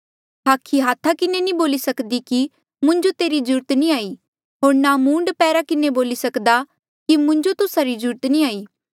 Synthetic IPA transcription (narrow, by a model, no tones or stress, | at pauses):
ɦaːkʰːiɦaːt̪ʰːakɪnenĩboːlisɐkd̪iki | mʊ̃ɲd͡ʒot̪eːɾid͡ʒʊɾt̪nĩaːiː | ɦoːɾnamũːɳɖpɛːɾakɪneboːlisɐkd̪a | kimʊ̃ɲd͡ʒot̪ʊsaɾid͡ʒʊɾt̪nĩaːiː